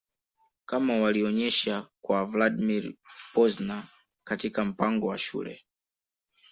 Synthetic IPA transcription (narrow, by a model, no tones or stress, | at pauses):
kamawaliɔɲɛʃakwavladimiɾpɔzna | katikam̩paŋɡɔwaʃṵːlɛ̰